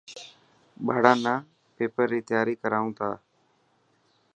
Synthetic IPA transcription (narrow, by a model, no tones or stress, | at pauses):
ɓʱaːɽãːnãː | peːpəɾːiːt̪ɪjaːɾiːkəɾaːũːt̪a̰ː